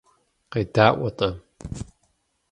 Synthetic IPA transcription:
qejdaːʔʷɔtʼɐ

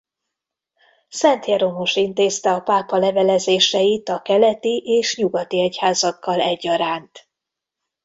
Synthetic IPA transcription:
sɛnt̪jɛɾo̞mo̞ʃint̪eːst̪ɛɒpaːpɒlɛvɛlɛzeːʃɛjit̪ɒkɛlɛt̪iʔeːʃɲuɡɒt̪iɛchaːzɒkːɒlɛɟːɒɾaːnt̪

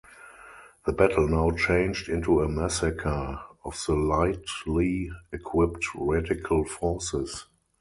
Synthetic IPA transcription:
ðəbætʰəl̩naʊt͡ʃẽɪ̃nd͡ʒdɪ̃ntuəmæsəkʰə˞ɔfðəlaɪtliɛkʰwɪptɹædɪkʰəlfɔsɪs

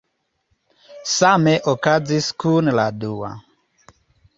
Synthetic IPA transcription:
samɛʔɔkad͡ziskunlaɗuwa̰

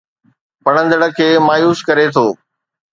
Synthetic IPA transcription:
pɐɽ̤̃ə̃nd̪əɽə̆kʰeːmaːjuːskɐɾet̪ʰoː

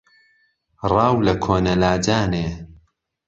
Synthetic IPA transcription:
rɑːwlɐkʰoːnɐlaːd͡ʒaːneː

